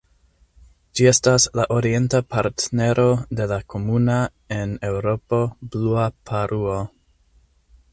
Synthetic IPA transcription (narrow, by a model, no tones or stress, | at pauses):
d͡ʒie̞staslaʔo̞ɾie̞ntapaɾtne̞ɾʔo̞de̞lakʰo̞muna | e̞ne̞wɾo̞po̞bluapʰaɾʔuo